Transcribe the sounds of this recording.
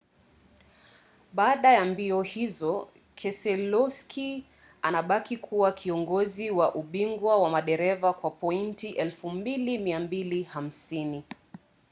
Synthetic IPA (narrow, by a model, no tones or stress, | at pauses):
ɓaːɗajambiɔhizɔ | kʰɛsɛlɔskʰi | anaɓakikʰuwakʰiɔŋɡɔziwaʔuɓiŋɡwawamaɗɛɾɛvakwapɔintiʔɛlfumbilimiambiliham̩sini